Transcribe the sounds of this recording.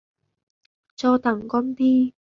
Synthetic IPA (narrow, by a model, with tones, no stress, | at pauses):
t͡sɔː˧t̪ɐ˨˩ŋkɔ˥np̪iː˦˥